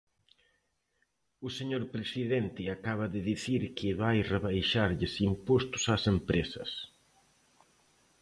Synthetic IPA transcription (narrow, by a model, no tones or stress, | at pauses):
ʊseɲoɾpɾesiðent̪ɪakaβ̞ɐðɪðiθiɾkʰɪβajreβajʃaɾʎɪsimpost̪ʊ̥sasempɾesɐ̰s